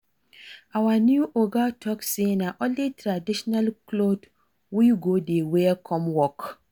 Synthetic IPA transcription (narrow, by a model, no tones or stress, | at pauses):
awanjuʔoɡatʰɔksenaʔɔlditɾadiʃɔnalklod | wiɡodewekʰɔmwɔk